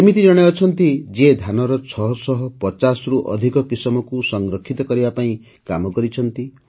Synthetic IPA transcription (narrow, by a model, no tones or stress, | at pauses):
semit̪id͡ʒɔɽ̃eɔt͡ʃʰɔnt̪id͡ʒed̪ʱanɔɾɔt͡ʃʰɔɦɔsɔɦɔpɔt͡ʃasɾuʔɔ̰d̪ʱikɔkisɔmɔkusɔŋɡɾɔkʰːit̪ɔkɔɾibapaĩ | kamɔkɔɾit͡ʃʰɔnt̪i